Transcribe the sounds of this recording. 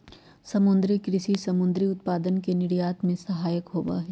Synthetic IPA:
sɐmʊ̃nd̪ɾikɾɪʃisɐmʊ̃nd̪ɾiʊt̪paːd̪ənkenɪɽjaːt̪mẽsɐɦaːjəkɦoːʋa̰ɦɛː

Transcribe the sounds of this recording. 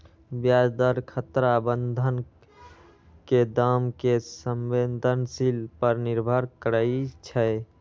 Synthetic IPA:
bjad͡ʒd̪əɾkʰət̪ɾabənd̪ʱən | ked̪amkesəmbend̪ʱənsilpəɾniɾbʱəɾkəɾəit͡ʃʰə

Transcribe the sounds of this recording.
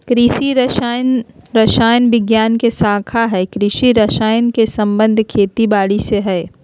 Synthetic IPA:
kɾiːʃiɾʃnɾɐʃaːjənʋɪɡjaːnkesaːkʰaɦɛːkɾiːʃiɾɐʃaːjənkesɐ̃mbə̃nd̪ʱkʰeːt̪ibaːɽiseɦɛː

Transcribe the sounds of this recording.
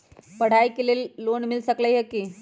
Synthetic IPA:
pəɽ̤ajkelelːonmilsəkləjɦeki

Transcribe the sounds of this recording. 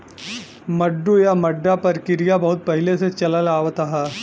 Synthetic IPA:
məɖːujaməɖːapəɾkiɾijabəɦut̪̚pəɦileset͡ɕɐlalaːʋət̪aɦa

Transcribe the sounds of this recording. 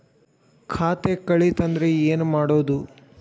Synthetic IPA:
kʰaːt̪e̞kɐɭit̪ɐnd̪ɾeeːnumaːɽoːd̪u

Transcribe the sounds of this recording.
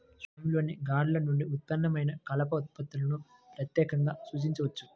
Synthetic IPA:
sɐmlo̞ːniɡaːɽlɐnuɳɖiut̪̚pɐnːɐmɐjnɐkɐlɐpɐut̪̚pɐt̪ːulɐnu | pɾɐt̪jɛːkɐŋɡaːsuːt͡ʃiɲt͡ʃɐʋɐt͡ʃːu̥

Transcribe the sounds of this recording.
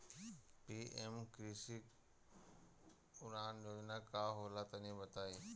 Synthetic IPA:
piːemkɾiːsik | ʊɾaːnd͡ʒoːd͡ʒnakaːɦoːlat̪ɐnẽbɐt̪aːiː

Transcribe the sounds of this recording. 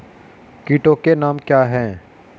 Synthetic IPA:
kiːʈokenaːmkjaːɦɛ̃ː

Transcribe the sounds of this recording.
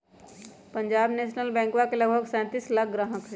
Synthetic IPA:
pə̃ɲd͡ʒaːbneːʃnəlbɛ̃ːŋkwakeləɡbʱəɡsɛ̃ːt̪iːslak̚ɡɾaːɦə̃kʰ

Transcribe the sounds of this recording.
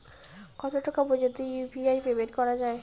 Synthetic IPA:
kɔt̪oʈakabod͡ʑot̪ijubiajbebeɾkɔɾad͡ʑae

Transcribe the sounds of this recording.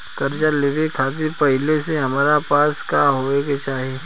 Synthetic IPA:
kɐɾd͡ʒaleʋikʰaːt̪ipɐɦɪleseɦɐmaːɾapaːskaːɦoːeɡet͡ʃaːɦe

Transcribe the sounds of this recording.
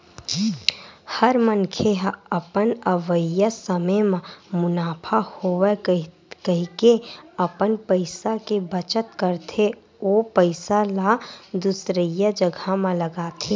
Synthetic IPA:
həɾmənkʰeɦəpənəʋəjəsəməmãmʊnaːpʰahowe | kəɦikeəpənpəɪsakebət͡ʃət̪kəɾt̪ʰe | oːpəɪsalad̪ʊsɾəjəd͡ʒəɡʱamãləɡaːt̪ʰe

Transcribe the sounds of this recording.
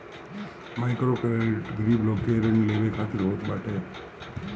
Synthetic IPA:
majkɾokeeʈɡɾiblokeɾnileʋekʰat̪iɾɦot̪baʈe

